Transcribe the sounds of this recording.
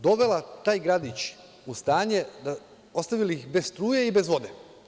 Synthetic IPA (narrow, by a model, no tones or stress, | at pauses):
d̪o̞ʋe̞lat̪aːjɡɾad̪it͡ɕ | ust̪aːɲe̞d̪a | ost̪aʋilixbe̞sst̪ɾuːjeibe̞zʋo̞d̪e̞